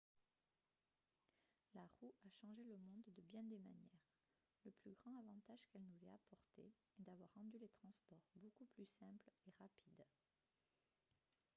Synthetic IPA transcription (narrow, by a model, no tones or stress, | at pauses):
laʁuaʃɑ̃ʒeləmɔ̃d̪d̪əbjɛ̃d̪ema̰njɛʁ | ləplyɡʁɑ̃avɑ̃t̪aʒkɛlnuzɛapɔʁt̪ḛ | ɛd̪avwaʁːɑ̃d̪ylet̪χɑ̃spɔʁbokuplysɛ̃pleʁapʰid̪